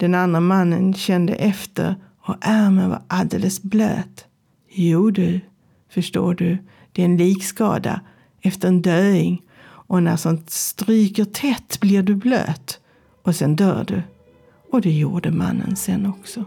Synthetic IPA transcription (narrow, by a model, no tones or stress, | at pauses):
d̪̥ɛnand̪ɾamanːənɕɛnd̪ə̰ʔɛft̪ə̰ɾ | ɔʔæɾmənva̰ɾʔald̪ḛːləsblø̰ːt̪ | juːɖɵ | fəʂʈo̰ːɖɵ | d̪̥ɛɾɛnliːkskɑ̰ːd̪a̰ | ɛft̪əɾɛnd̪øːɪŋ | ɔnæʂɔnst̪ɾyːkət̪ʰɛt̪ːblɪɾɖɵblø̰ːt̪ | ɔsɛnd̪œ̰ːɖɵ̰ | ɔd̪ɛjuːɖəma̰nːə̰nsɛnːɔksɔ